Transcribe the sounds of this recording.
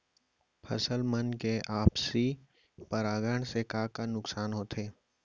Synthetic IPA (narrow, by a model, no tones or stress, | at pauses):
pʰɐsəlmənkeʔaːpsi | pəɾaːɡəɳ̃sekaːkanʊksaːnɦoːt̪ʰeː